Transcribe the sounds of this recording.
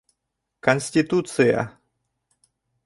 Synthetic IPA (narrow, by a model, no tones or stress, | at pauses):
kɐnʲsʲtʲit̪ut̪sɨja̰